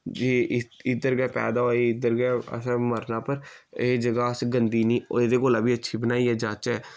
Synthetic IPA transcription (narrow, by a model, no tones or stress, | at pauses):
d͡ʒiːʔɪd̪əɾɡɛːpɛ̰ːd̪aːoːiɪd̪əɾɡɛːə̰sɛ̃ːməɾnaːpəɾeːd͡ʒəɡaːəsɡənd̪iːnĩːeːd̪eːkoːlãːbiːətːʃʰiːbənaːiːɛːd͡ʒaːt͡ʃɛː